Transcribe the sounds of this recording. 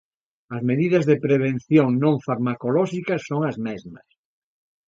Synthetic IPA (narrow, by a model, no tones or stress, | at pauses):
ɐzmeðiðɐzðepɾeβ̞en̟θjoŋnõŋfaɾmakolɔʃikɐsːoŋɐzmɛzmɐs